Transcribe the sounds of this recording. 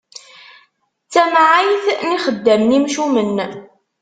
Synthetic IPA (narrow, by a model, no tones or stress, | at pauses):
t͡sːæmʕijθniχəd̪ːæmnimʃumən